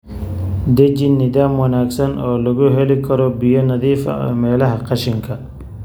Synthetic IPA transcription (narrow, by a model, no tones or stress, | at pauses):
d̪ɛd͡ʒɪnːɪðaːmwɑnaːɡsɐnʔɔːlɐɣʊɦɛlɪkʰɐɾɔbijɔnɐðiːfɐ̰mɛːlɐɦɐqɑʃɪŋkʰɐ